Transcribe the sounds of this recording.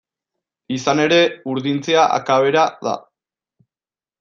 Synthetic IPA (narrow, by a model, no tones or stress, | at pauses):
isane̞ɾe̞uɾðint͡seaʔa̰kaβe̞ɾaða̰